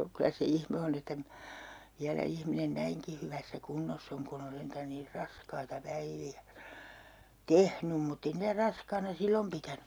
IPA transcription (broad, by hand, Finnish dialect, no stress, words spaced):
o kylæ se ihme on etːæ minæ̥ ʋiælæ ihminen næiŋki hyʋæsːæ kunːosː oŋ kun on sentæn niːr rɑskɑitɑ pæiʋiæ tehnym mutː ei niːtæ rɑskɑːnɑ silːom pitæny